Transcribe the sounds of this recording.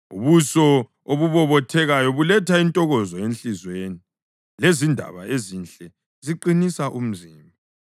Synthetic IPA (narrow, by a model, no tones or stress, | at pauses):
ṵβusɔ | oβuβɔβɔtʰɛɣajɔβulɛtʰaintʼɔɣɔzɔent͡ɬizweni | lezindʱa̰βaezint͡ɬʼɛ | ziǃinisaʔum̩ziːmbʱa